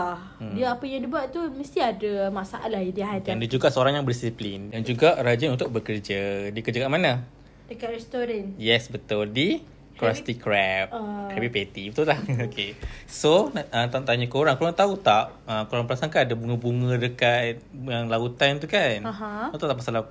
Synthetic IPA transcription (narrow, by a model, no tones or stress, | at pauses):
a | diəapəjaŋdibuaʔt̪uməst̪iadamasaʔa̰ʔlahidiaɦaandid͡ʒuɡaʔsəoɾaŋjaŋbəɾdisiplindand͡ʒuɡaʔɾad͡ʒənunt̪ʊʔ̚bəkərd͡ʒədiəkəd͡ʒəkaʔmanə | dəkaʔɾɛst̪oɾanjɛsbət̪ʊldi | kɾast̪ikɾɛp̚ɛpbipet̪ibət̪ulahokesonaət̪at̪aɲəkoɾaŋkoɾaŋt̪aut̪aʔ | əkoɾaŋpəlasaŋkaadabuŋəbuŋə̃dəkat̪̚jaŋlaut̪ant̪ukanaɦãut̪ut̪aʔpmasala